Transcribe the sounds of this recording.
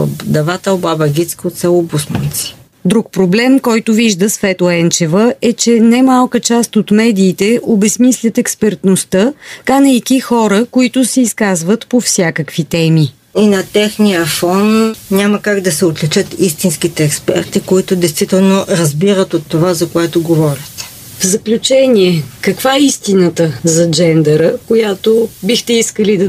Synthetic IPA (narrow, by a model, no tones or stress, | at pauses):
d̪ɐvat̪əobabɐɡʲit̪skot̪sɛlˠobusmunt̪si̥ | d̪ɾuk̚pɾoblɛmkɔjt̪ʊviʒd̪əsvɛt̪ˠoɛnt͡ʃɛvəɛt͡ʃɛnɛmalˠkət͡ʃast̪ot̪mɛd̪iːt̪ɛʔobɛsmislʲət̪ɛkspɛɾt̪nost̪əkanəjkixɔɾəkoit̪ʊsɛiskazvət̪pofsʲjakəkvit̪ɛmi | inɐt̪ɛxnijəfɔnnʲaməkaɡd̪ɐsɛot̪lʲɛt͡ʃət̪ist̪inskit̪ɛːkspɛ̰ɾt̪ikoit̪ʊd̪ɛjst̪vit̪ɛlˠnoɾɐzbiɾət̪ot̪ːovazɐkoɛt̪oɡovɔɾit̪ɛ̥ | vzɐklʲut͡ʃɛnʲiɛkəkvaɛist̪inət̪əzɐd͡ʒɛnd̪ɛɾəkojat̪obixt̪ɛiskəlid̪ɐ